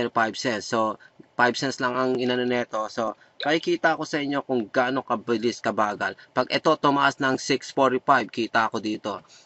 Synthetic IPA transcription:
pajbsɛnsːo̞pajbsɛnslɐŋɐŋʔɪnɐnɛnɛːt̪o̞so̞ | mɐkɪkiːt̪ɐʔɐko̞sɐʔɪɲːo̞kʊŋɡaːno̞kɐbɪlɪskɐbaːɡɐlpɐɡʔɛt̪o̞t̪ʊmɐʔasnɐŋsɪksfoɾipajb̚kiːt̪ɐʔɐko̞d̪iːt̪o̞

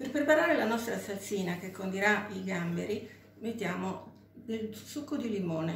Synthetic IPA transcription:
perpɾepaɾaːɾelanɔst̪ɾasat̪sːiːnak̟ekːond̪iɾaiɡambeɾi | met̪ːjaːmo | d̪elsukːod̪ilimoːne

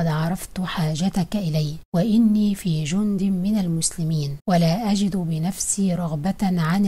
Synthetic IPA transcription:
ɑd̪ʕɑɾˤɑft̪ħaːd͡ʒat̪akaʔɪlajwaʔɪnːiːfiːd͡ʒʊnd̪ɪmɪnalmʊslɪmiːnwalaːʔad͡ʒɪd̪bɪnafsiːɾˤɑɣbaʕan

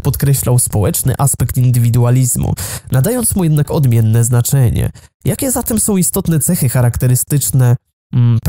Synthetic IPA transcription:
pɔt̪kɾɛɕlawspɔwɛt͡ʂnɘ̰ʔaspɛkt̪ind̪ɘvʲid̪ualʲizmṵnad̪ajɔnt̪smujɛd̪nakɔd̪mʲjɛnːɛznat͡ʂɛɲɛ̰jakʲɛzat̪ɛmsɔ̃w̃ist̪ɔt̪nɛt̪sɛxɘxaɾakt̪ɛɾɘst̪ɘt͡ʂnɛ | p

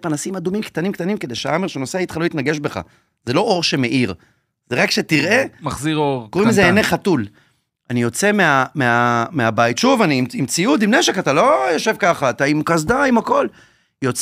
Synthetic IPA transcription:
panasimad̪umimkt̪animkt̪animked̪e̞jʃea̰omeʃeno̞seait̪χaloit̪naɡe̞ʃbe̞χa̰ | ze̞lo̞ʔo̞ʁʃe̞me̞ʔiʁ | zeʁakʃe̞t̪iʁʔe̞maχziʁoʁkoʁimmezeeneχat̪ul | anijo̞t͡se̞meameameabajit̪ʃuvanimimt͡siud̪imneʃe̞kat̪alo̞jo̞ʃe̞vkaχaːt̪aimkazd̪aimako̞l | jo̞t͡s

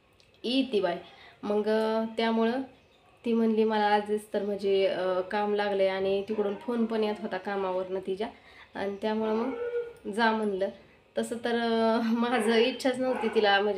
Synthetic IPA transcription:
it̪ibajməɡt̪jamuɭə | t̪iːm̤əɳliːməlaːd͡zd̪it͡st̪əɾm̤əd͡ʑeəkamlaɡləjaɽ̃it̪ikɽuːnfonpəɳjat̪ɦot̪akamaʋəɾnət̪id͡ʑa | a̰ɽ̃it̪jamuɭeməɡd͡zam̤ənlə | t̪əsəːt̪əɾmad͡zʱəitːɕʰat͡snəʋt̪it̪ilam̤əd͡ʑ

